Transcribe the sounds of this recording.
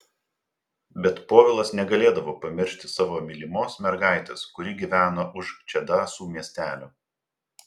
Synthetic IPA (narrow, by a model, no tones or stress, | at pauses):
bʲɛt̪poːʋʲɪlˠɐsnʲɛɡɐlʲeːd̪ɐʋoːpɐmʲɪɾʲʃʲt̪ʲɪsɑːʋoːmʲɪlʲɪmoːsmʲɛɾɡɑˑɪt̪ʲɛskʊɾʲɪɡʲiːʋʲæːnɐʔʊʃt͡ʃʲɛd̪ɑːsuːmʲiɛsʲt̪ʲæːlʲʊ